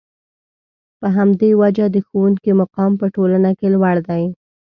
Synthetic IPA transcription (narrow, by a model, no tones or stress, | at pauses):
pəɦamd̪ewad͡ʒad̪əxowuŋkimaqɑmpəʈolanakelwaɽd̪aj